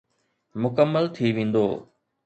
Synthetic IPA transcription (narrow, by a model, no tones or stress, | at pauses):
mʊkəmːəlt̪ʰiʋẽːn̆d̪o̰ː